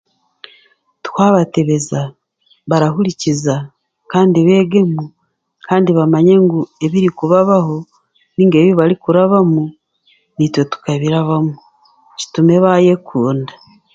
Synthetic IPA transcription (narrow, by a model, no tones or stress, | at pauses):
tu̥kaːβate̞βe̞za | βaɾaɦuɾiciza | kaːndiβe̞ːɡe̞mu | kʰaːndiβamaɲe̞ŋɡue̞βiɾikuβaβaho̞ | niːŋɡe̞ːβjoβaɾikuɾaβamu | nitwe̞tu̥kaβiɾaβamu | ci̥tume̞βaje̞kʰuːnda